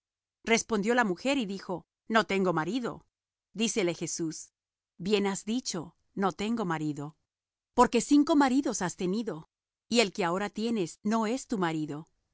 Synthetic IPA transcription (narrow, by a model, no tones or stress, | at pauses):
re̞spo̞nd̪jo̞lamuxe̞ɾiðixo̞ | no̞t̪e̞ŋɡo̞maɾiðo̰ | d̪ise̞le̞xe̞sus | bje̞nazðit͡ʃo̞ | no̞t̪e̞ŋɡo̞maɾiðo̞ | po̞ɾke̞siŋko̞maɾiðo̞sast̪e̞niðo̞ | ie̞lke̞ao̞ɾat̪je̞ne̞sno̞e̞st̪umaɾiðo̞